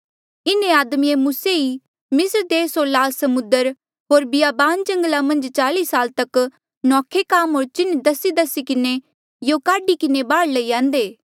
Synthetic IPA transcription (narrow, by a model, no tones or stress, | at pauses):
ɪnẽaːd̪miemuːsei | mɪsəɾd̪eːsɦoːɾlaːlsɐmʊ̃nd̪əɾ | ɦoːɾbɪjaːbaːnd͡ʒɐ̃ŋɡlamɐ̃nd͡ʒt͡ʃaːliːsaːlt̪ɐk | nɔːkʰekaːmɦoːɾt͡ʃɪnd̪ɐsid̪ɐsikɪne | jokaːɖikɪnebaːɽlɐijãːnd̪eː